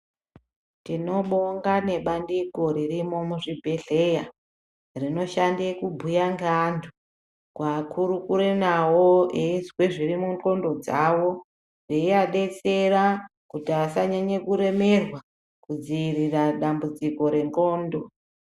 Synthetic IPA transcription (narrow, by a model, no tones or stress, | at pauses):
tino̞ɓoŋɡane̞ɓandiko̞ɾirimo̞muʐibʱe̞ɮe̞ja | rino̞ʃandekubʱujaŋɡandʰʱu | kwakʰuɾukuɾenawoezweʐirimuŋko̞ndo̞d͡zawo̞ | reiaɗe̞t͡se̞rakutiasaɲaɲekuɾe̞me̞rwa | kud͡ziiriraɗambud͡ziko̞ɾe̞ŋko̞ːndo̞